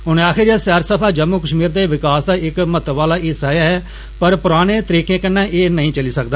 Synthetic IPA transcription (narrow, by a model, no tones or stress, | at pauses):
ɦʊneːaːkʰɪɾaːsɛːɾsəpʰaːd͡ʒəmːuːkəʃmiːɾd̪eːʋɪkaːsd̪aːɪkmət̪ʋaːlaːʔɪsaːjaːɦɛː | pəɾpʊɾaːñẽːt̪əɾiːkẽːkənːãːʔeːnəɦĩːt͡ʃəliːsəkd̪aː